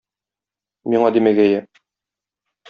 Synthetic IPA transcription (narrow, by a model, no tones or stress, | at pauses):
miɴɑd̪imæɡæjæ